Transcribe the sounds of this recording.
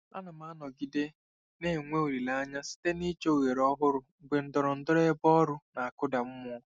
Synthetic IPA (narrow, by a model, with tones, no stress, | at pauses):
la̰˦na˨ma˦nɔ˨ɡi˨de˦ | ne˦˨ŋʷe˦o˨ɾi˨la˦ɲa˦si̥˦te˦ni˦t͡ʃo˦o˨ɣe˨ɾɔ˦ɦʊ˦ɾʊ˨ | ɡ͡be˨n̩˦dɔ˨ɾɔ˨n̩˦dʊ˦ɾe˦bɔ˦ɾʊ˦na˨a˨kʊ˦da˨m̩˦mɔ˦